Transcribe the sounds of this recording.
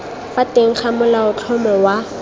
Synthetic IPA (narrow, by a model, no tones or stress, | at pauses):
fateŋ̩k͡xʰamʊlaʊt͡ɬʰɔmɔwa